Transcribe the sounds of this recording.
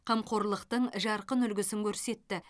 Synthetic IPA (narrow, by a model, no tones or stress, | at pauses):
qʰɑmqʰo̞ɾlˠəqt̪əɴʒɑɾqənʏlɡʲɪsɪŋkʲʰɵɾse̞t̪ːɪ